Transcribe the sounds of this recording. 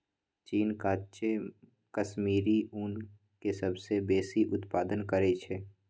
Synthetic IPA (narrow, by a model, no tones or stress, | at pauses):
t͡ʃiːnkaːt͡ʃe | kəʃmiːɾiʊn | kesəbsebeːsiʔʊt̪paːd̪ənkəɾet͡ʃʰeː